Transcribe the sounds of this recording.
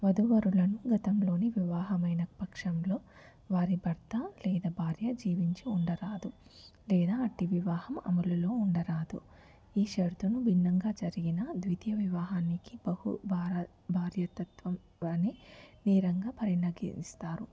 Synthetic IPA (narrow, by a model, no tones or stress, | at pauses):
ʋɐd̪uʋɐɾulɐnuɡɐt̪ɐmlo̞ːniʋiʋaːɦɐmɐjnɐpɐkʂɐmlo̞ː | ʋaːɾibɐɾt̪ɐlɛːd̪ɐbʱaːɾjɐd͡ʒiːʋiɲt͡ʃiuɳɖɐɾaːd̪ulɛːd̪aːɐʈːiʋiʋaːhɐmɐ̰mɐlulo̞ːuɳɖɐɾaːd̪u | iːʃɐɾt̪unubʱinːɐŋɡaːd͡ʒɐɾiɡinɐd̪ʋit̪jɐʋiʋaːɦaːnikibɐhṵbaː | bʱaːɾjɐt̪ɐt̪ʋɐm | ɐniniːɾɐŋɡaːpɐɾinɐɡḭst̪aːɾu